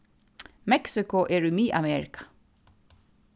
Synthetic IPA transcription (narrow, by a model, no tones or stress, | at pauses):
mɛksɪkʊʔɛɹumiːʔamɛɹɪkḁ